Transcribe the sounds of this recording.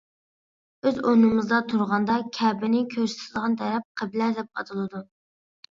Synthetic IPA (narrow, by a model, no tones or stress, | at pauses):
øzonɨmɨzd̪ɑt̪ʰuɾʁɑnd̪ɑkʲʰɛːbɪnɪkʲʰøɾsɪ̥t̪ʰɪlˠʁɑnt̪ʰɛɾɛp̚qʰəblæɾd̪ɛp̚qɑ̰t̪ʰɨlˠɨd̪u